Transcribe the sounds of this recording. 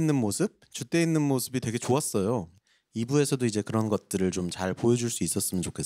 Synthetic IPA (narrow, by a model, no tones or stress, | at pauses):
nːɯnmosʰɯp̚t͡ɕut͈e̞inːɯnmosʰɯbitwe̞ɡe̞t͡ɕoas͈ʌjo | ibue̞sʰʌdoid͡ʑe̞kɯɾʌnɡʌt̚t͈ɯɾɯɭt͡ɕomt͡ɕaɭpojʌd͡ʑuɭs͈uis͈ʌs͈ɯmjʌnt͡ɕokʰe